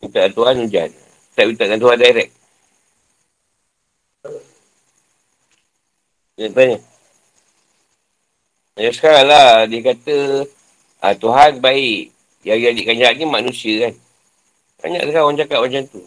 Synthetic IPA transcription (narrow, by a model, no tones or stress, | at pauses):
mint̪aʔat̪uɦanud͡ʒa̰n | t̪aʔmit̪aʔkant̪uɦandaiɾɛk̚ | ɲat̪aɲaʔ | ajasə̥kaɾaŋladiəkat̪ə | ə̰t̪uɦanbaiʔ | jaiadiʔkaɲd͡ʒanimanusiəkan | ba̰ɲa̰ʔsəkawand͡ʒakat̪̚ʔmad͡ʒant̪u